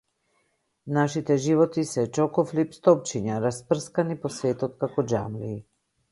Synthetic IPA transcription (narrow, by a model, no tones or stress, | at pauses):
naʃit̪ɛʒivɔt̪isɛt͡ʃɔkɔflipst̪ɔp̚t͡ʃiɲaɾaspr̩skanipɔsvɛt̪ɔt̪̚kakɔd͡ʒa̰mliː